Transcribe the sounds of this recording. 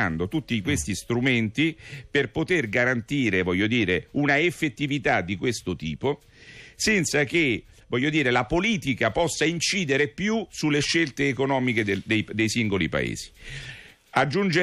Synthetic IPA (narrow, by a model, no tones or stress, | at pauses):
and̪ot̪ut̪ːikwest̪ist̪ɾument̪iperpot̪erɡaɾant̪iːɾevɔʎːod̪iːɾeunaefːet̪ːivit̪ad̪ːikwest̪ot̪iːpo | sɛnt̪sak̟e | vɔʎːod̪iːɾelapoliːt̪ikapɔsːaint͡ʃiːd̪eɾepjusulːeʃːelt̪eːkonɔːmiked̪ed̪ejd̪ejsiŋɡolḭpa̰ḛːz̥i̥ | ad͡ʒːund͡ʒe